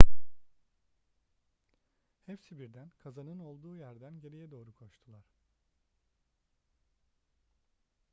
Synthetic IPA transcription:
hɛfsibiɾd̪ænkʰazanɯno̞lˠd̪uːjæɾd̪ænɟe̞ɾijɛd̪o̞ːɾukʰo̞ʃt̪ʰulˠaɾ̥

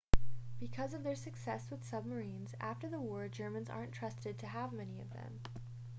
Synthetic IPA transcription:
b̥ɨkʰʌzʌvðə˞sɨksɛswɨð̥sʌb̚mə˞ĩnzæ̰ftə˞ðəwɔɹd͡ʒɜ˞mɨ̃nzɑ̰ɹntʰɹ̥ʌstɨd̚tʰɨəvmɛniʌ̰vðɨ̰̃m

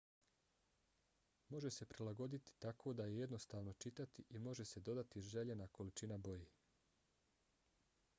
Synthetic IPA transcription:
mo̞ʒe̞se̞pɾilaɡo̞d̪it̪i̥t̪akʰo̞ːd̪aje̞je̞d̪no̞st̪aːʋno̞t͡ʃit̪at̪iʔimo̞ʒe̞se̞d̪o̞d̪at̪iʒeʎenako̞lit͡ʃinabo̞jeː

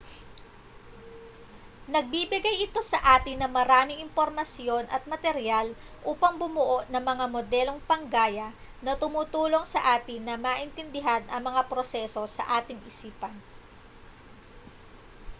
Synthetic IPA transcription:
nɐɡ̚bibɪɡajʔɪt̪o̞sɐʔaːt̪ɪnːɐŋmɐɾaːmɪŋɪmpo̞ɾmɐsjo̞nʔɐ̰t̪̚mɐt̪ɛɾjal | ʔuːpɐŋbʊmʊʔoʔnɐŋmɐŋamo̞d̪ɛlo̞ŋpɐŋɡaːjɐ | nɐt̪ʊmʊt̪uːlo̞ŋsɐʔaːt̪ɪnːɐmaːʔɪnt̪ɪnd̪ɪɦanɐŋmɐŋapɾo̞sɛso̞sɐ̰ʔaːt̪ɪŋʔɪsiːpɐn

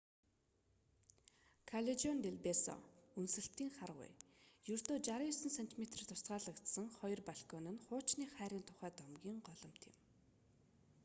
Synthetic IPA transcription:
kʰaɮet͡ɕɔnt̪eɮpesɔ̰unsɘ̆ɬt̪iːŋχarʁʊ̰jjɵrt̪oːt͡ɕaɾijsə̆nsen̥t̪ʰimet̪r̆rt̪ʰʊ̥sɢaːɮə̆kt̪sə̆ŋχɔjɞ̆rpaɮkɔnɘ̆nχʊːt͡ɕniːχæːɾiːnt̪ʰʊ̥χæːt̪ɔmɡʲiːŋɢɔɮɞ̆m̥t̪ʰɪ̰̆m

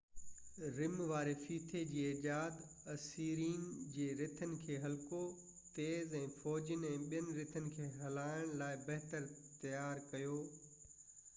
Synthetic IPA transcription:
ɾɪmʋaːɾefiːt̪ʰed͡ʑiːed͡ʑaːd̪ | ɐsiːɾiːnd͡ʑeːɾɪt̪ʰənɪ̆kʰeːɦɐlko | t̪eːzɛ̃ːfɔːd͡ʑənɛ̃ːɓijənɪ̆ɾɪt̪ʰənɪ̆kʰeːɦɐlaːɪɽ̃laːɪbɐɦt̪əɾt̪ɐjaːɾkɐjoː

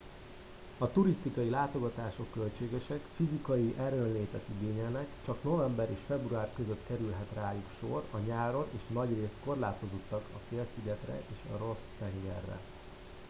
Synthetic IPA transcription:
ɒt̪uɾist̪ikɒjilaːt̪o̞ɡɒt̪aːʃo̞kːø̞lt͡ʃeːɡɛʃɛkfizikɒjiʔɛɾønleːt̪ɛt̪iɡeːɲɛlnɛkt͡ʃɒkno̞vɛmbɛɾeːʃfɛbruaːrkøzøt̪kɛɾylɦɛt̪raːjukʃo̞rɒɲaːɾo̞neːʃnɒɟreːst̪ko̞rlaːt̪o̞zo̞t̪ːɒkɒfeːlsiɡɛt̪rɛ̰ʔeːʃɒ̰ro̞st̪ɛŋɡɛ̰rːɛ̰

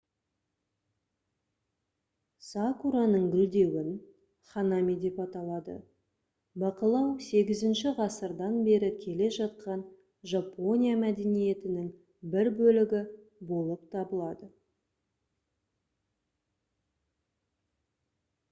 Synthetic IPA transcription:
sɑkuɾanəɴɡʲʏld̪e̞wɪn | χɑnɑmijd̪e̞pɑt̪ɑlˠɑd̪ə̰ | bɑqəlˠɑwse̞ɡʲɪzɪnʃɪʁɑsəɾd̪ɑnbe̞ɾɪkʲʰe̞le̞ʒɑt̪̚qɑn | ʒapo̞nʲijamæd̪e̞nije̞t̪ɪnɪŋ | bɪɾbɵlɪɡʲɪ | bo̞lˠəp̚t̪ʰɑbəlˠɑd̪ə

